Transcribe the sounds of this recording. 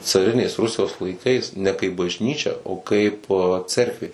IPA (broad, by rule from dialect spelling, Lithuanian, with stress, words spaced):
t͡sɐˈrʲɪnʲeːs ˈrʊsʲɪjoːs lˠɐɪˈkɐɪs nʲɛ kɐɪp bɐʒʲˈnʲiːt͡ʃʲɛ oː ˈkɐɪp ˈt͡sʲɛrkʋʲeː